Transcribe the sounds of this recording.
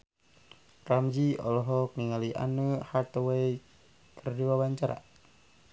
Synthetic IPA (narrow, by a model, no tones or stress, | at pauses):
ramd͡ʒiɔ̰lɔɦɔk̚niŋaliʔa̰nəhat̪ɔwai | kʰərdiwawaɲt͡ʃaɾa̰